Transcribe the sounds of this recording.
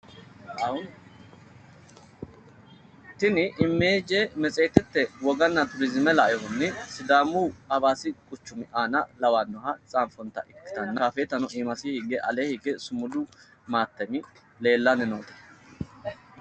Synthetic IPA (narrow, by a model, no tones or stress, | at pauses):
t̪ɪnɪʔɪmːeːd͡ʒemɛt͡sʼe̞ːt̪ɛt̪ːɛwɔɡɐnːɐt̪ʊɾɪzɪmɛlɐjɔhʊnːɪsɪd̪aːmuːɐbaːsɪkʼʊt͡ʃːʊmɪʔaːnɐlɐwaːnːɔhɐt͡sʼaːmfɔnt̪ɐ̰ʔɪkːɪ̥t̪ɐnːɐaːfeːt̪ɐnɔʔiːmɐsɪhɪɡɛʔɐleːhiɡɛsʊmʊd̪ʊ | maːt̪ːɛmɪ | le̞ːlːɐnɪnoːt̪ɐ̥